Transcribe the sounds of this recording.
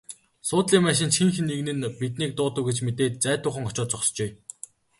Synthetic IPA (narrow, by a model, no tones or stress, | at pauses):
sʊːt̪ɮiːŋmæːʃ̬ɪ̆nt͡ɕxiŋxɘ̆nːeɣnɘ̆npit̪̬̚niːk̚t̪ʊːt̪ə̆wɡet͡ɕmet̪eːt̪̚t͡sæːt̪ʊːχə̆ŋɔt͡ɕɔːt̪t͡sɔχst͡ɕeː